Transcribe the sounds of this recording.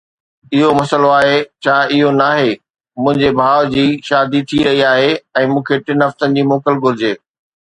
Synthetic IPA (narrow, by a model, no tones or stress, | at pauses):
ɪɦomɐsəloaːɦet͡ɕʰaːɪɦonaːɦe | mʊ̃ɦɪ̃ɲd͡ʑebʱaːʋd͡ʑiːʃaːd̪it̪ʰiɾɐɦiaːɦeɛ̃ːmũːkʰeʈɪnɦɐft̪ənɪ̆d͡ʑiːmoːkəlɡʱʊɾɪd͡ʑeː